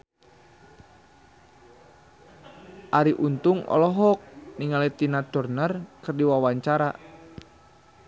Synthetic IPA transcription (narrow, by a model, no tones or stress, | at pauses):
ʔaɾiʔunt̪ʊŋɔ̰lɔɦɔk̚niŋalit̪inad̪̥ɔrnarkərdiwawaɲt͡ʃaɾa